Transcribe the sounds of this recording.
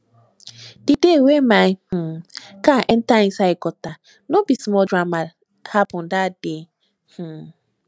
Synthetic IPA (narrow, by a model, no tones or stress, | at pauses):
d̥idewemah̩kaʔen̩taĩsaikɔta | nobisimɔdɾama | hapʊn̩dade | h̩